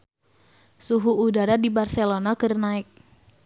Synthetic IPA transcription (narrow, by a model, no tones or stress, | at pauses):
suɦuːdaɾadibarsɛlonakɨrnaɪk̚